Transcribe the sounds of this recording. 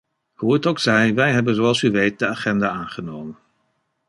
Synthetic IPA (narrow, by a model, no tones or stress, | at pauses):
huətoksɛjʋɛjɦɛbənzoɑlˠsyʋejt̚dəaːχɛndaaːnχənowmən